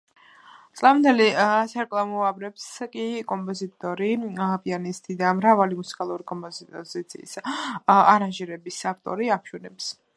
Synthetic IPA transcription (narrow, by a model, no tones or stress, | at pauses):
t̪ʼlavmnd̪ɛlisʰaɾkʼlˠamɔabɾɛpskʼikʼɔmpʼɔzit̪ʼɔɾipʼianist̪ʼid̪amɾavalimusi̥kʼalˠuɾikʼɔmpʼɔzit̪sʰḭːs | aɾanʒiɾɛbisavt̪ʼɔ̰ɾiapʃɛnɛps